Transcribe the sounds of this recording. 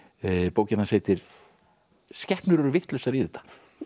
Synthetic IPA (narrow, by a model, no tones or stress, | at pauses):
poːwcɪnhansheːjt̪ɪɾ̥ | scɛhpnʏɾɛɾʏvɪht̪lœwsaɾiːðɛːt̪ːḁ